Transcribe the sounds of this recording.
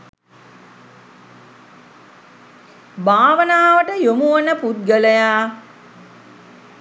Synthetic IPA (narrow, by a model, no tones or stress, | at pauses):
baːʋənaːʋəʈəjomuənəput̪̚ɡələjaː